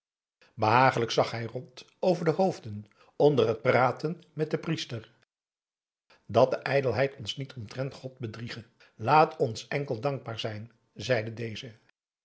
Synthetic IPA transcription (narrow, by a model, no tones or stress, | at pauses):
bəɦaːχələksɑχɦɛjrɔnt | owvəɹdəɦowvdən | ɔndərɦət̚praːtənmɛt̚dəpristər | dɑt̚dəʔɛjdəlˠɦɛjtɔnsnitɔmtrɛntχɔt̚bədriχə | laːtʰɔnsɛŋkəlˠdɑŋɡ̚baːɹzɛjn | zɛjdədejzə